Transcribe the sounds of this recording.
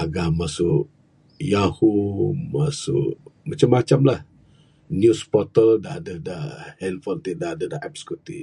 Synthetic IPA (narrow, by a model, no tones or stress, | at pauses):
aɡamasuʔ | jahumasṵʔmat͡ʃamːat͡ʃamlah | njuspɔt̪əldaadədahɛnfɔnt̪idaadadaɛpsə̥kut̪i